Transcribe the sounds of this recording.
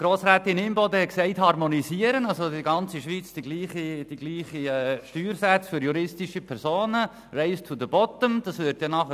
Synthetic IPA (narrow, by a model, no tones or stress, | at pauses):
ɡ̥ɾoːsɾæːt̪ɪnimbɔd̪əhɛtksɛɪthɑrmonisiəɾənɑlsodiɡɑnt͡siʃʋit͡sd̥iɡliːχid̥iɡ̥liːχiɛʃtyːɾsæt͡sfʏɾjuɾɪstiʃipʰɛɾsoːnə | rɛɪst͡sud̪əbɔt̪əmd̥ɑsʋʏtjɑnɑχə